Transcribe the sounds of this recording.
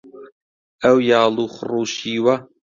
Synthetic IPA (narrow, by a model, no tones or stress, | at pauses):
ɐwjɑːlˠuːχʊruːʃiːwɐ